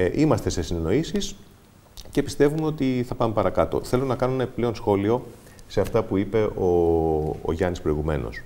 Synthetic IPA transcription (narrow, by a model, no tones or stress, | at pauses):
ʔimɐst̪e̞se̞sineno̞isis | ce̞pist̪e̞vumeot̪iθɐpɐmepɐɾɐkɐt̪o̞̰θe̞lonɐkɐnonenɐepi̥ple̞o̞nsxo̞lio̞ | se̞ɐft̪ɐpuipe̞ʔo̰ː | ʝɐnispɾo̞iɣume̞̰no̞̰s